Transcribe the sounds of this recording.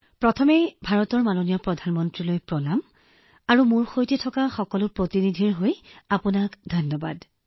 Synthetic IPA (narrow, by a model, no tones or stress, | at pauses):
pɹɔtʰɔmebʱaɹɔtɔɹmanonijɔpɹɔdʱanmɔntɹilojpɹɔlam | aɹumuɹxojtɛtʰɔkaxɔkɔlʊpɹotinidʱiɹɦojapunakdʱɔnːɔba̰d